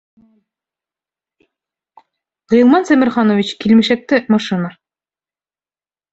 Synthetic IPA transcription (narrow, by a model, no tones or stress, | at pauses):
ʁij̆lˠmɑnsæmɘ̆ɾχɑnovʲit͡ɕkilmɘ̆ʃæk̚t̪ɘmɑʃɨna